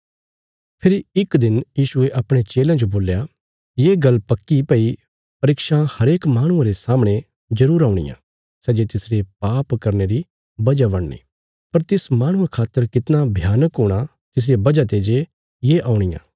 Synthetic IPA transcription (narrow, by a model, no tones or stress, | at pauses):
pʰɪɾiɪkd̪ɪnjiːʃʊeʔɐpɽ̃et͡ʃeːlãd͡ʒoboːlja | jeːɡɐlpɐkːipɐi | pɐɾɪkʃahɐɾeːkmaːɽ̃ʊ̃ãɾesaːmɽ̃e | d͡ʒɐɾuːɾaːʊ̃ɽ̃ɪ̰jã̰ | sɛːd͡ʒet̪ɪsɾepaːpkɐɾneɾi | bɐd͡ʒabɐɽnḛː | pɐɾt̪ɪsmaːɽ̃ʊ̃ẽkʰaːt̪ːəɾkɪt̪nabʱjaːnəkɦoːɽ̃a | t̪ɪs̬ɾebɐd͡ʒat̪ed͡ʒe | jeʔaːʊ̃ɽ̃ɪjã̰ː